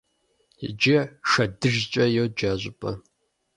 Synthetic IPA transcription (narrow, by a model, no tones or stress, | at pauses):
d͡ʒɪʂɐdɨʒt͡ʃʼɐjɛwd͡ʒaːʑʷʼɪpʼɐ